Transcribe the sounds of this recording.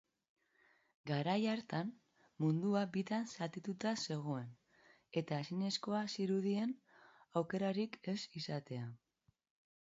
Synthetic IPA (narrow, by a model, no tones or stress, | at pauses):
ɡaɾajaɾt̪an | mːund̪uabit̪ansat̪it̪ut̪ase̞ɣ̞o̞e̞n | e̞t̪aesine̞sko̞asiɾuðie̞n | awke̞ɾaɾike̞sisat̪e̞a